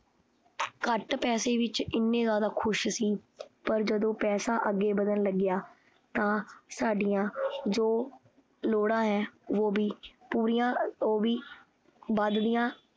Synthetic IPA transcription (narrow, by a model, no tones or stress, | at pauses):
kəʈpɛːseːʋɪt͡ʃɪnːẽːzaːd̪aːkʰʊʃsiːpəɾd͡ʒəd̪õːpɛːsãːʔəɡːeːbəd̪ənləɡɪjaː | t̪ãːsaːɖɪjãːd͡ʒoː | loːɽãːɦɛːʋoːbiːpuːɾijãːoːʋiː | bəd̪d̪ijãː